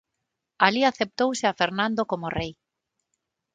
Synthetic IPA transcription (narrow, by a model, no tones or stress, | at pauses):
aliaθep̚t̪owsɪafeɾnãnd̪okomorej